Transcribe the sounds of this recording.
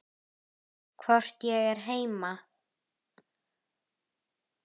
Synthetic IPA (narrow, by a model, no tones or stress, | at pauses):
kʰvɔr̥t̪jɛɣɛɾ̥ɦeːjma